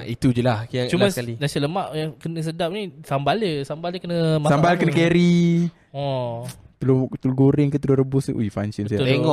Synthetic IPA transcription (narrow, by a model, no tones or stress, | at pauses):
it̪ud͡ʒulahkjat͡ʃumaalinasələmaʔjaŋkənəs̬ədap̚nisambaləsambaləkənəmasambalkənəkeɾi | ɔ̃t̪əlot̪əloɡoɾɪŋkət̪əloɾəbʊsṵifaŋsənsajat̪eŋɔʔ